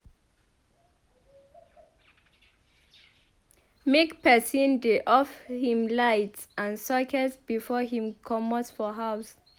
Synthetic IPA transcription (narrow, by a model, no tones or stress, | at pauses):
mekpʰɛsĩndeʔɔfhĩmlajtsʔãnsɔkʰɛsbifɔhĩmkʰɔmɔsfɔɦaws